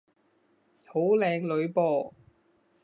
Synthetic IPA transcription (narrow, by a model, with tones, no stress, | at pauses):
ho˨˥wlɛː˨˧ŋlɵ˨˧ɥpɔː˨˧